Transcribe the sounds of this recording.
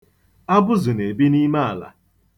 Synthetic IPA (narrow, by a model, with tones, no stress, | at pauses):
a˦bʊ˦zʊ˨ne˨bi˦ni˦ma˦a˨la̰˨